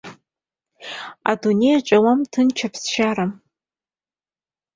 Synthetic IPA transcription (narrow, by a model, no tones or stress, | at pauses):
a̰dune̞jaʈ͡ʂʼawamtʰɨnt͡ʃʰapʰsʃaɾam